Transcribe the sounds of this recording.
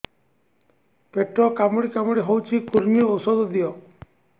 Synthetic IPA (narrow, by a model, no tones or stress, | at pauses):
peʈɾɔkamɔɽikamɔɽiɦowt͡ʃʰikuɾmiɔusɔd̪ɔd̪ijɔ